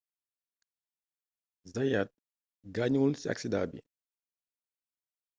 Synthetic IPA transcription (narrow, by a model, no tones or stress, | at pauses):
zajat̪̚ | ɡaɲulsia̰ksidaːbḭ